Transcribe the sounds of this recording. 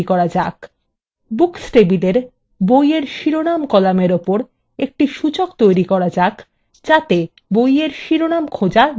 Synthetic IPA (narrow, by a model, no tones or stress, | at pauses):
ikɔɾad͡ʑak | buksʈebid̪eɾ | bojeɾʃiɾonamkɔlameɾopoɾ | ek̚ʈiʃut͡ɕokt̪ojɾikɔɾad͡ʑak | d͡ʑat̪e | bojeɾʃiɾonamkʰod͡ʑa